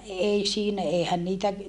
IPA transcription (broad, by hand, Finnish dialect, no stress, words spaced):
ei siːnæ eːhæn niːtæ